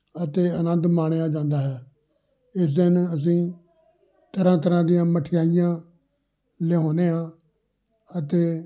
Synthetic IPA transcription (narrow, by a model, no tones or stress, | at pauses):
ət̪eːənənd̪maːɽ̃eãːd͡ʒãːnd̪aːɦɛː | ɪs̬d̪ɪnəs̬ĩː | t̪əɾãːt̪əɾãːd̪ijãːməʈʰɪjaːɪjãː | leːɦoːneːɦãː | ət̪eː